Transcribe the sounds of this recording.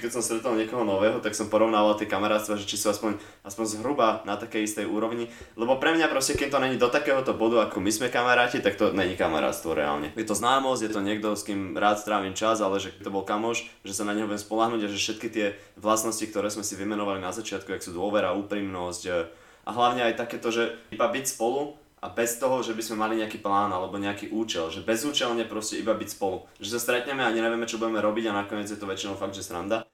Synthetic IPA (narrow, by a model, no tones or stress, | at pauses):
kɛc̪sɔmst̪ɾɛt̪ɔlɲɪɛkɔɦɔnɔʋɛːɦɔt̪aksɔmpɔɾɔʋnaːʋalt̪ɪɛkamaɾaːt̪st̪ʋaʒɛt͡ʃisuaspɔɲ | ʔaspɔɲzɦɾubanat̪akɛjist̪ɛjʔuːɾɔʋɲi | lɛbɔpɾɛmɲapɾɔscɛkimt̪ɔɲɛɲid̪ɔt̪akɛːɦɔt̪ɔbɔd̪uakɔmizmɛkamaɾaːcit̪ak̚t̪ɔɲɛɲikama̰ɾa̰ːt̪st̪ʋɔɾɛ̰a̰ːlɲɛ̰jɛt̪ɔznaːmɔzɟjɛt̪ɔɲɪɛɡ̚d̪ɔskiːmɾaːt̪st̪ɾaːʋiːmt͡ʃazalɛʒɛkit̪ɔbɔlkamɔʃʒɛsanaɲɦɔʋɪɛmspɔlaɦnuːɟaʒɛfʃɛt̪kit̪ɪɛ | ʋlasnɔscikt̪ɔɾɛːzmɛsiʋimɛnɔʋalinazat͡ʃɪat̪kuaksuːd̪ʊɔʋɛɾauːpɾimnɔsc | ʔa̰ɦlaʊɲɛajt̪akɛːt̪ɔʒɛibabicspɔlu | ʔa̰bɛst̪ɔɦɔʒɛbizmɛmaliɲɛakiːplaːnalɛbɔɲɛakiːʔuːt͡ʃɛlʒɛbɛzuːt͡ʃɛlɲɛpɾɔscɛibabicspɔluʒɛsast̪ɾɛt̪ɲɛmɛaɲɛɲɛʋɪɛmɛt͡ʃɔbuɟɛmɛɾɔbiɟanakɔɲɪɛd͡zjɛt̪ɔʋɛt͡ʃinɔʊfaɡd̪ʒɛsɾand̪a